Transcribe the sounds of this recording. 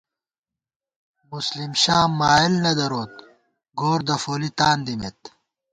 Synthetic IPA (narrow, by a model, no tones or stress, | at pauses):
muslimɕaːmaːilnɐd̪ɐɾoːt̪ | ɡoːɾd̪ɐfoːlit̪aːnd̪imet̪̚